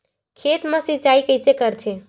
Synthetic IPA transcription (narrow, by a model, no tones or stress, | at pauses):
kʰet̪mə̃sit͡ʃaikəɪsekəɾt̪ʰe